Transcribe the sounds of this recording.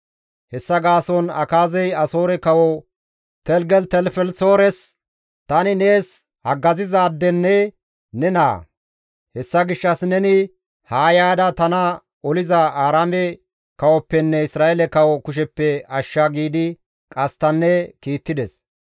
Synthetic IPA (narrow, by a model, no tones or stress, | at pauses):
hɛsːɐɡaːsɔnɐ̰kaːzɛjɐso̞ːɾɛkɐwɔ | t̪ɛlɡɛlt̪ɛlfɛlsoːɾɛs | t̪ɐnɪne̞ːs | hɐɡːɐzɪzaːd̪ːɛnːɛ | nɛna̰ː | hɛsːɐɡɪʃːɐsnɛnɪ | haːjaːd̪ɐt̪ɐnɐ | ɔlɪzɐaːɾaːmɛ | kɐwɔpːɛnːɛɪsɾaːɛlɛkɐwɔkʊʃ̬ɛpːɛɐʃːaɡiːd̪ɪ | kʼɐst̪ɐnːɛkiːt̪ːɪd̪ɛs